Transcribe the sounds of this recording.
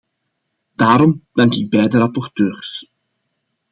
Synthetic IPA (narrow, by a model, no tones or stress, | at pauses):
d̥aːɾɔmd̥ɑŋkɪɡ̚bɛjdəɾɑpɔrtøːrs